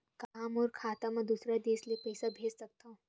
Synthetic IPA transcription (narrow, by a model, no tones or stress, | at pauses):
kaːmɔːɾkʰaːt̪amɐ̃d̪usɾad̪eːslepɐɪsabʱeːd͡ʒsɐk̚t̪aũ